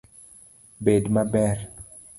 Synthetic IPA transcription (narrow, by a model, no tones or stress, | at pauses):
bedmabɛr